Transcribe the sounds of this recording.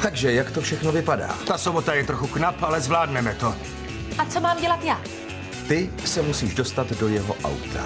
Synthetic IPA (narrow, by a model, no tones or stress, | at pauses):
t̪aɡʒɛjakt̪ofʃɛxno̞vɪpada̰ːt̪asobo̞t̪ajɛt̪ɾo̞xuknapalɛzvlaːdnɛmɛt̪o̞ | ʔat͡somaːmɟɛlat̪jaː | t̪ɪ | sɛmusiːʒdo̞st̪at̪do̞jɛɦo̰ʔa̰wt̪a̰